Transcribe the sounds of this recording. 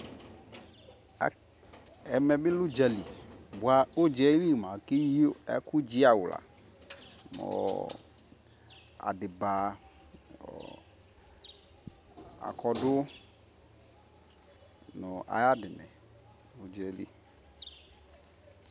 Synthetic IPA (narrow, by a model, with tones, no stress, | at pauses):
ɛ˨mɛ˨be˦lu˦d͡ʒɛ˨li˨bu˨a˨o˦d͡ʒɛ˦li˦˨mã˨ke˦ji˦o˦ɛ̰˦ku˦d͡ʒi˦a˨wu˨la̰˨ | mɔ̰˨ | a̰˨dɪ˨ba˨ | a̰˨kɔ˨dʊ˦ | nɔ˨ʔa̰˨ja˦dɪ˨nɛ̰˨ | o˨d͡ʒɛ˨˦lḭ˦